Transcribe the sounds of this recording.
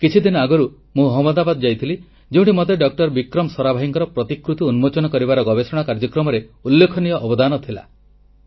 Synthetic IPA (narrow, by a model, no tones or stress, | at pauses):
kit͡ʃʰid̪inɔaɡɔɾu | mũɦɔmɔd̪abad̪ɔd͡ʒajt̪ʰili | d͡ʒeũɳʈimot̪eɖɔk̚ʈɔɾbikɾɔmsɔɾabʱaɦiŋkɔɾɔpɾɔt̪ikɾut̪iunmot͡ʃɔnɔkɔɾibaɾɔɡɔbesɔɽ̃akaɾd͡ʒɔkɾɔmɔɾeulːekʰɔnijɔʔːbɔd̪anɔt̪ʰila̰